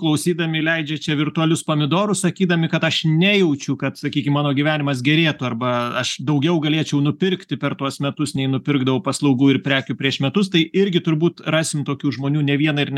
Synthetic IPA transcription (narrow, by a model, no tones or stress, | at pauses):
klˠɐʊsʲiːd̪ɐmʲɪlʲɛɪd͡ʒʲɛt͡ʃʲɛʋʲɪrt̪ʊɐlʲʊspɐmʲɪd̪oːɾʊssɐkʲiːd̪ɐmʲɪkɐt̪ɐʃnʲæjɛʊt͡ʃʲʊkɐt̪sɐkʲiːkʲɪmmɑːnoːɡʲiʋʲæːnʲɪmɐs̬ɡʲɛɾʲeːt̪ʊɐrbɐɐʃd̪ɐʊɡʲɛʊɡɐlʲeːt͡ʃʲɛʊnʊpʲɪrkt̪ʲɪpʲɛrt̪uɔsmʲɛt̪ʊsnʲɛɪnʊpʲɪrɡd̪ɐʋɐʊpɐslˠɐʊɡuːɪrpʲɾʲæːkʲʊpʲɾʲiɛʃmʲɛt̪ʊst̪ɐɪɪɾʲɡʲɪt̪ʊɾbuːt̪rɑːsʲɪmt̪oːkʲuːʒmoːnʲuːnʲɛʋʲiɛnɐɪrnʲ